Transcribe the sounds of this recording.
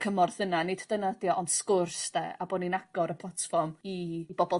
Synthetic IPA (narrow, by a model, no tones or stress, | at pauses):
kʰəmɔrðənanɪdd̥ənadjɔʔɔnskʊrsdɛ̰aboninaɡɔɾəpʰlˠatfɔrmib̥ɔbɔ